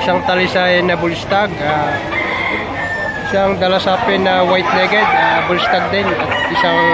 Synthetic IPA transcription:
ɪsaŋt̪ɐlɪsajnɐbʊlst̪aɡa | ɪsaŋd̪ɐlasaːpɪnɐwajt̪̚nɛːɡɛd̪̚abʊlst̪aɡ̚d̪ɪnɐt̪̚ɪsaŋ

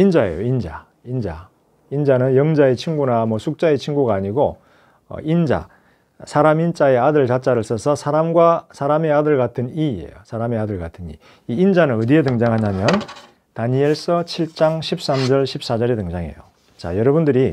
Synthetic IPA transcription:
ind͡ʑae̞̰jo̰ind͡ʑa̰ | ind͡ʑa̰ | ind͡ʑanɯnjʌŋd͡ʑae̞t͡ɕʰinɡunamwʌsʰuk̚t͡ɕ͈ae̞t͡ɕʰinɡuɡaːɲiɡo | ʌ̰ind͡ʑa̰ | sʰaɾamint͡ɕ͈ae̞adɯɭt͡ɕat͡ɕ͈aɾɯɭs͈ʌsʰʌsʰaɾamɡwasʰaɾame̞adɯɭɡatʰɯniiḛjosʰaɾame̞adɯɭɡatʰɯnḭ | iːnd͡ʑanɯnɯdietɯŋd͡ʑaŋɦaɲamjʌn | taɲieɭs͈ʌt͡ɕʰiɭt͡ɕ͈aŋɕʰip̚s͈amd͡ʑʌɭɕʰip̚s͈ad͡ʑʌɾe̞tɯŋd͡ʑaŋɦe̞̰jo | t͡ɕa̰jʌɾʌbundɯɾi

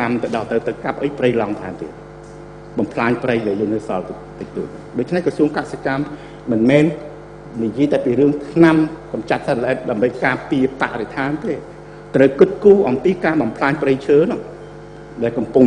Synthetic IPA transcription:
amt̪ɨɗɑt̪ɨwt̪ɨwkap̚ʔəjprəjlɑŋt̪ʰaːnt̪ḭː | ɓɑmpʰlaːɲprəjɗajəːŋnːɨsɑl | t̪ɨk̚t̪ṵət̪̚ɨɗoːc̚t͡ɕʰnɛhkrɑsuəŋkasekamː | ɨnmɛːn | nijiəjt̪aɛpiːɾɨəŋt̪ʰnamkɑmt͡ɕat̪̚sət̪̚lʔɛt̪̚ɗaəmɓəjkaːpiəpa̰ʔret̪ʰaːnt̪eː | t̪rəwkɨt̪̚kuːʔɑmpiːkaːɓɑmpʰlaːɲprəjt͡ɕʰəːnʊ̆ | ɗaɛlkɑmpʊŋ

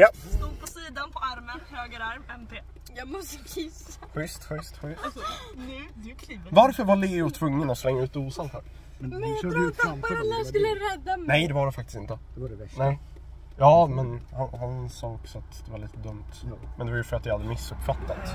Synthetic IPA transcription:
jast̪uːd̪̚pʰɔsiːd̪anpʰɔaɾmənhøːɡəɾaɾmɛmt̪ʰeː | jɑmɔst̪əɪsaɧʏst̪ɧʏst̪ɧʏnʰ | vaɾfœɾvaɭiɡʊt̪ʰvɵŋːənɔslɛŋːaʉ̟ːt̪̚uːsanfœ̰ːɾ | mɛɛœːɾalːaskɵlːəɾɛd̪ːanɛjd̪ɛvaɖɛfak̚t̪ɪ̥st̪ɪnt̪əd̪ɛɛnɛɪ | jɑːmɛnhanhansɑːɔksɔat̪d̪̥ɛvaɭiːt̪əd̪ɵmt̪mɛnd̪ɛvaɾjəfœɾat̪vɪhad̪ːəmɪsːɵpːfat̪ːat̪

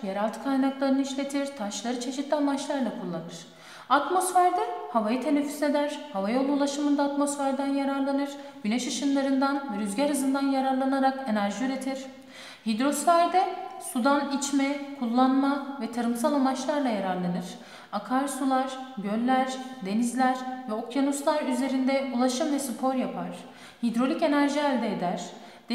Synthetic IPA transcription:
jeɾalʲˠt̪ʰɯ̥kʰajnaklˠaɾɯnɯiʃlʲe̞t̪ʰiɾ̥t̪ʰaʃlˠaɾɯt͡ʃʰe̞ʃit̪lʲiamat͡ʃlˠaɾlˠakʰulˠːanɯɾ̥ | at̪mo̞sfæɾd̪ɛhavajɯt̪ʰe̞nefːy̥se̞d̪æɾ̥havajo̞lˠulˠaʃɯmɯnd̪aːt̪mo̞sfæɾd̪ænjaɾaɾlˠanɯɾ̥ɟ̥yneʃɯʃɯnlˠaɾɯnd̪anvɛɾyzɟæɾhɯzɯnd̪anjaɾaɾlˠanaɾake̞næɾʒiyɾe̞t̪ʰiɾ̥ | hid̪ɾo̞sfæɾd̪ɛsud̪anit͡ʃmɛkʰulˠːanmavɛt̪ʰaɾɯmsalˠamat͡ʃlˠaɾlˠajaɾaɾlˠanɯɾ̥ | akʰaɾsulˠaɾ̥bjølʲːæɾ̥d̪e̞nizlʲæɾvɛo̞kʰjanuslˠaɾyze̞ɾind̪ɛulˠaʃɯmvɛsɯpʰo̞ɾjapʰaɾ̥ | hid̪ɾo̞lʲice̞næɾʒiælʲd̪ɛːd̪æɾ̥ | d̪̥

